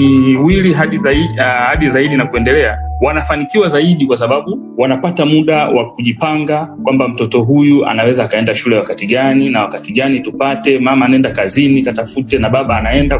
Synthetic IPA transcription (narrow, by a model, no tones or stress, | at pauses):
iwiliɦaɗiihaɗizaiɗinakuɛndɛlɛawanafanikiwazaiɗikwas̬aɓaɓuwanapatamuɗawakuʄipaŋɡakwambam̩tɔtɔɦujua̰nawɛzaːkaɛndaʃulɛwakatiɠaninawakatiɠanitupatɛmamaːnaɛndakazinikatafutɛnaɓaɓaːnaɛnda